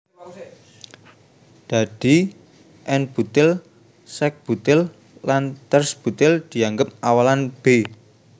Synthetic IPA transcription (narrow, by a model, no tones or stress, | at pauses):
d̪̥ä̤d̪̥i | ʔɛnb̥ṳt̪ɪl | sɛk̚b̥ṳt̪ɪl | lant̪ərsb̥ṳt̪ɪld̪̥i̤aŋɡəp̚awalanb̥e